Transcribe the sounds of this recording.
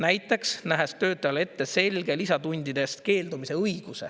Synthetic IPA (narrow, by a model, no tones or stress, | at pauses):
næjt̪ːˑe̞ksnæɦest̪ø̞ːt̪ːˑɑjɑle̞t̪ːe̞se̞lɡe̞lisɑt̪unʲd̪̥id̪̥e̞st̪ke̞ːld̪umise̞ɤjɡ̥use̞̰